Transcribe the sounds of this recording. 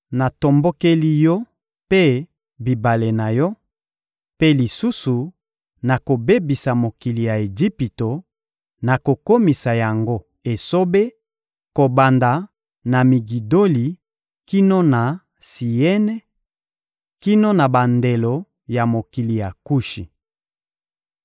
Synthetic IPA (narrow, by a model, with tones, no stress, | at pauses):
na˨to˨mbo˦ke˦li˦jɔ˦ | pe˦ | bi˨ba˨le˨na˨jɔ˦ | pe˦li˨su˦su˨ | na˨ko˨be˦bi˨sa˨mo˨ki˨li˨ja˨e˨d͡ʒi˦pi˨to˨ | na˨ko˨ko˦mi˨sa˨ja˨ŋɡo˦ | e˨so˦be˦ | ko˨ba˨nda˨ | na˨mi˨ɡi˨do˦li˨ | ki˦no˦na˨ | si˨ɛ˦nɛ˦ | ki˦no˦na˨ba˨nde˨lo˨ | ja˨mo˨ki˨li˨ja˨ku˦ʃi˨